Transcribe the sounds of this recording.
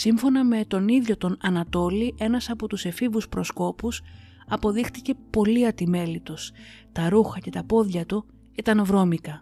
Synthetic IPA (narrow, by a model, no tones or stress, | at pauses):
siɱfo̞nɐme̞t̪o̞niðʝo̞t̪o̞nɐnɐt̪o̞liʔe̞nɐsɐpo̞t̪use̞fivuspɾo̞sko̞pus | ɐpo̞ðixt̪ice̞po̞liɐt̪ime̞lit̪us | t̪ɐɾuxɐce̞t̪ɐpo̞ðʝɐt̪u | it̪ɐnvɾo̞mikɐ